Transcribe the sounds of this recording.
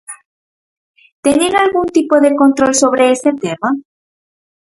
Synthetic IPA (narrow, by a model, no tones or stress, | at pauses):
t̪eneɾalɣunt̪ipoðe̞ko̞nt̪ɾolso̞βɾe̞eset̪ema